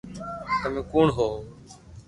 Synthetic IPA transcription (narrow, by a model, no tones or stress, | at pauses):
t̪əmĩːkuːɳɦoː